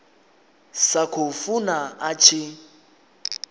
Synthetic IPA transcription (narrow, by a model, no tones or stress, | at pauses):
sakʰofunaat͡ʃʰɪ